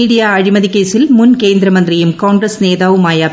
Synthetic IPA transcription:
iɽijaːɐɻimɐðikːeːsilmʊnkeːnd̪ɾɐmɐnd̪rijɯmkoːŋɡɾɐsneːðaːʋɯmaːjɐ

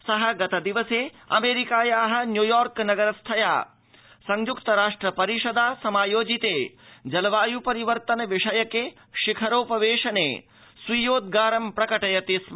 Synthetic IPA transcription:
sɐɦɐɡɐt̪ɐd̪iʋɐseː | ɐ̰meːɾikaːjaːɦɐ̆njujaːɾknɐɡɐɾɐst̪ʰɐja̰ː | sɐŋjukt̪ɐɾaːʂʈɾɐpɐɾiʃɐd̪aːsɐmaːjoːd͡ʒit̪eː | d͡ʒɐlɐʋaːjupɐɾiʋɐɾt̪ɐnɐʋiʂɐjɐke | ʃikʰɐɾoːpɐʋeːʂɐneː | sʋijoːd̪̚ɡaːɾɐmpɾɐkɐʈɐjɐt̪is

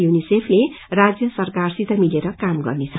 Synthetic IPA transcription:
junisepʰle | rad͡zjʌsʌrkarsit̪ʌmileɾʌkamɡʌ̰rnet͡sʰʌ̥

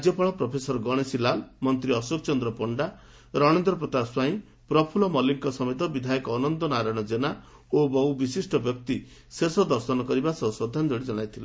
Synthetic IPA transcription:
d͡ʒjɔpɔɭ̃ɔpɾɔpʰesɔɾɔɡɔɽ̃esilalmɔnt̪ɾiɔsok̚t͡ʃɔnd̪ɾɔpɔɳɖa | ɾɔɽ̃end̪ɾɔpɾɔt̪aswaĩ | pɾɔpʰulɔmɔliŋkɔsɔmet̪̬ɔbid̪ʱajɔkɔːnɔnd̪ɔnaɾaj̃ɔd͡ʒena | obɔɦubisisʈɔbjɔk̚t̪i | sesɔd̪ɔɾsɔnɔkɔɾibasɔsɔd̪ʱanɔd͡ʒɔɽid͡ʒɔɽ̃ajt̪ʰile

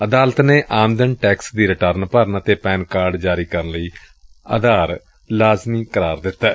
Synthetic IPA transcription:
əd̪aːlət̪neːʔãːmd̪ənʈɛːksd̪iːɾɪʈəɾnpəɾənət̪eːpɛːnkaːɾɖd͡ʒaːɾiːkəɾənləiː | ad̪aːɾ | laːzmiːkəɾaːɾd̪ɪt̪ːɛː

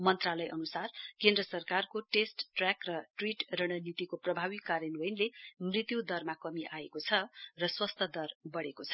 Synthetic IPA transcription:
mʌnt̪ralʌjʔʌnusarkend̪rʌsʌrkarkoʈesʈːrakrʌʈriʈrʌɽ̃ʌnit̪ikoprʌbʱawikːaɾjʌnojnlemrit̪jud̪ʌrmakʌmiʔaekot͡sʰʌrʌswʌst̪ʰʌd̪ʌrbʌɽekot͡sʰʌ̥

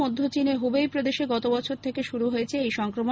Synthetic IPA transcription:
od̪ʱːot͡ɕineɦubejpɾod̪eʃeɡɔt̪obɔt͡ɕʰoɾt̪ʰekeʃuɾuɦojet͡ɕʰeejʃɔŋkɾomo

